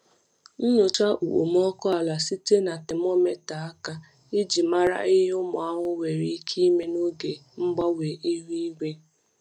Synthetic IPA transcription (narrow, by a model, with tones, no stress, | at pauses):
n̩˦nʊ˨t͡ʃa˦ʔṵ˨ʔo̰˨m˦ɔ˦kɔ˦a˨la˨si˦te˦na˨te˨mɔ˦me˦ta˨a˦ka˦ | ɪ˦d͡ʒi˨ma˦ɾa̰˦ɪ˦ɦʊ˦mʊ˨a˦ɦʊ˦we˨ɾi˦i˦kʰi˦me˦no˦ɡe˨m̩˦ɡ͡ba˦we˨ʔi˦ɦi˦i˦ɡe˦